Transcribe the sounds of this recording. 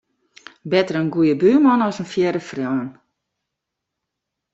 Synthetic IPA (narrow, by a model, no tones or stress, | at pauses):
bɛtərənɡujəbyːmɔnɔsənfjɛdəfrjɔːn